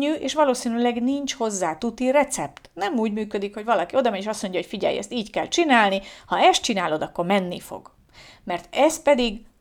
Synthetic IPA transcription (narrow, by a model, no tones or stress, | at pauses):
yːʔeːʃʋɒloːsiːnylɛɡniɲt͡ʃho̞zːaːt̪ut̪irɛt̪sɛpt̪nɛmuːɟmyːkød̪ikho̞ɟʋɒlɒkio̞d̪ɒmɛeːʃɒsmo̞ɲɟɒɦo̞cfiɟɛ̰jɛ̰st̪iːckɛlt͡ʃinaːlnihɒɛst̪t͡ʃinaːlo̞d̪ɒkːo̞rmɛnːḭfo̞̰ɡ̥ | mɛrt̪ɛst̪̚pɛd̪iɡ